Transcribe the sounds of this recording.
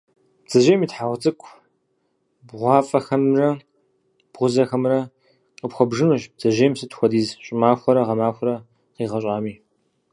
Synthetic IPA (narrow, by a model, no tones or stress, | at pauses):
b̥d͡z̥ɐʒeːjmiːtħaʁʷt͡sʼɨkʷʼʰ | bʁʷɑːfʼɐxɐmrɐ | b̥ʁʷʊzɐxɐmrɐ | qəpxʷɔbʒɨnuʒb̚d͡z̥ɐʒeːmsɨtʰxʷɔdiːzɕʼɪmaːxʷɐɾɐʁɐmaːxʷɔɾɐ | qiːʁɐɕʼaːmiː